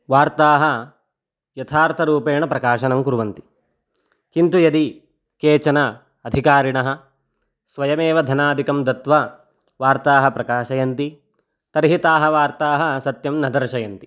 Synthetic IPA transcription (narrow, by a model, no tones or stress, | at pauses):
ʋaːɾt̪aːɦɐ | jɐt̪ʰaːɾt̪ʰɐɾuːpeːɳɐpɾɐkaːʃɐnɐmkuɾuʋɐnt̪i̥ | kint̪ujɐd̪i | keːt͡ʃɐnɐː | d̪ʱikaːɾiɳɐɦɐ̆ | sʋɐjɐmeːʋɐd̪ʱɐnaːd̪ʱikɐmd̪ɐt̪ʋɐ | ʋaːɾt̪aːɦɐpɾɐkaːʃɐjɐnt̪i | t̪ɐɾɦit̪aːɦɐʋaːɾt̪aːɦɐsɐt̪jɐmnɐd̪ɐɾʃɐjɐnt̪i̥